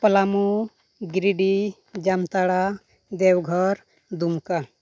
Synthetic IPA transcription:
pəlamu | ɡɾiɖi | d͡ʒamt̪aɽa | d̪ewɡʱɔɾ | d̪umka

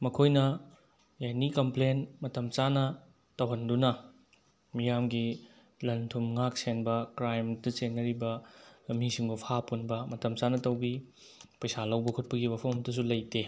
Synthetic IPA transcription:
mɐkʰojnɐ | janikɐmplenmɐtɐmt͡ʃanɐ | tɐwɦɐndunɐ | mijamɡi | lɐntʰumŋak̚senbɐkɾajmtɐsenːɐɾibɐmisiŋbupʰapunbɐmɐtɐmt͡ʃanɐtɐwbi | pɐjsalɐwbɐkʰut̚pɐɡiwapʰɐwmtɐs̬ulɐjte

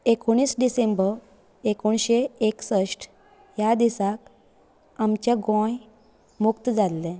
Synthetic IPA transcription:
ekoɽ̃iːsɖisembəɾ | ekoɳɕeeksəʂʈ | jad̪isak | amt͡ɕaɡõj | mukt̪d͡zat̪lɛ̃

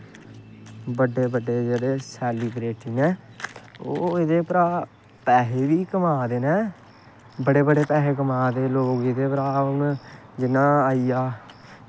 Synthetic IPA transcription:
bəɖeːbəɖeːd͡ʒeːɽeːsɛːlibɾeːʈɪŋɛ̃ː | o̰ːɪd̪eːpɾaː | pɛːɦeːʋiːkəmaːd̪eːnɛː | bəɽeːbəɖeːpɛːɦeːkəmaːd̪eːloːɡid̪eːpɾaːnd͡ʒɪnãːaːiːjaː

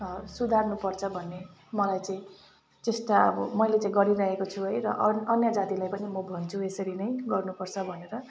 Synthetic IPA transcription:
sud̪ʱarnupʌrt͡sʰʌbʱʌnːe | mʌlajt͡saĩ | tesʈaʌ̰bʌmʌjlet͡saĩɡʌɾiɾʌɦekot͡sʰuɦʌjɾʌ̰ʔʌnjʌd͡zat̪ilajpʌnimʌbʱʌnt͡sʰuesʌɾinʌjɡʌrnupʌrt͡sʰʌbʱʌneɾʌ

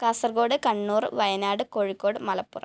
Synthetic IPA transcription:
kaːsɐrɡo̞ːɽɨkɐɳːuːrʋɐjɐnaːɽɨko̞ːɻikːoːɽɨmɐlɐpːurɐ̰

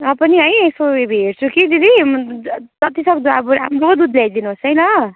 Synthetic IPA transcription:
ʌpʌniɦʌjesoebɦeɾt͡sʰukid̪id̪i | t̪ʌt̪isʌk̚d̪uabuɾa̰mɾokod̪ud̪ljajd̪inuɦosʌjlʌ

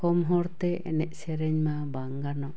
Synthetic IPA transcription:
kɔmɦɔɾt̪ɛɛ̰nɛʔsɛɾɛɲma | baŋɡanɔ

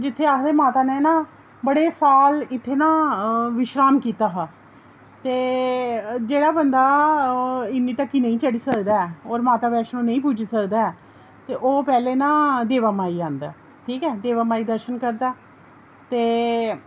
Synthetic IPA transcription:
d͡ʒɪt̪ʰːeːaːkd̪eːmaːt̪aːneːnãː | bəɽeːsaːlɪt̪ʰːeːnãːʋɪʃɾaːmkiːt̪aːɦaː | t̪eː | d͡ʒeːɽaːbənd̪aː | ɪnːiːʈəkːiːnə̃ĩːt͡ʃəɽiːsəkd̪aːɛːoːɾmaːt̪aːbɛːʃnũːnəĩːpʊd͡ʒsəkd̪aːɛː | t̪eːʔoːpɛːleːnãːd̪eːʋaːmaːiːãːnd̪a̰ː | ʈʰiːkɛːd̪eːʋaːmaːiːd̪əɾʃənkəɾd̪aː | t̪eː

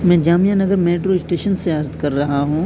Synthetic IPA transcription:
mɛ̃ːd͡ʒaːmijanɐɡəɾmeːʈɾoɪsʈeːʃənseɐɾd̪kɐɾːɐɦaɦũː

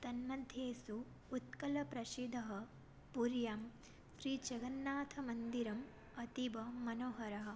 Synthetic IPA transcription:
t̪ɐnmɐd̪ʱjeːsuː | t̪̚kɐlɐpɾɐʃid̪ʱɐɦɐ̆ | puɾjaːm | sɾiːd͡ʒɐɡɐnːaːt̪ʰɐmɐnd̪iɾɐm | ɐt̪ibɐːɐnoːɦɐɾɐɦɐ̆

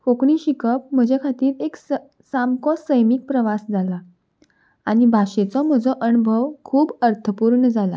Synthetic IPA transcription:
fokɳiːɕikəpm̤əd͡ʑekʰat̪iːɾeks | samkɔsəjmik̚pɾəʋasd͡zʱala | aɽ̃ibʱaɕet͡sɔm̤əd͡zɔʔənubʱəʋkʰuːbəɾt̪ʰəpuɾɳəd͡zʱala̰

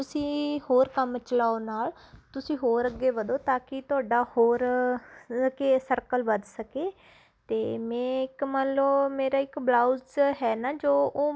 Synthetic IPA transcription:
t̪ʊsĩːhoːɾkəmt͡ʃəlaːoːnaːl | t̪ʊsĩːɦoːɾəɡeːʋəd̪oːt̪aːkɪt̪ʊaːɖaːhoːɾ | keːsəɾkəlʋəd̪səkeː | t̪eːmɛ̃ːɪkmənləbmeːɾaːɪkblaːʊzɦɛːnaːd͡ʒoːoː

